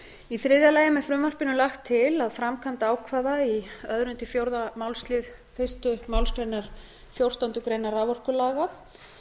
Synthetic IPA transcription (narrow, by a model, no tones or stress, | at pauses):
iθɾɪðjalajɪmɛfɾʏmvar̥pɪnʏlaxt̪ʰːɪlaðfɾamkʰant̪aːwkʰvaːðaiœðɾʏnt̪ɪfjowɾðamawlst̪lɪð | fɪst̪ʏmawlst̪leɾnaɾ̥ | fjowr̥t̪ant̪ʏkɾejnaravɔr̥kʏlaːɣa